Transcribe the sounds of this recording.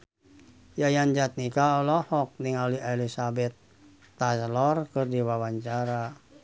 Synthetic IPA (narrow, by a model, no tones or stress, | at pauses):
jajaɲd͡ʒat̪̚nikaɔlɔhɔk̚niŋaliʔelisabɛt̪̚ː | aslɔrkɨrdiwawaɲt͡ʃaɾa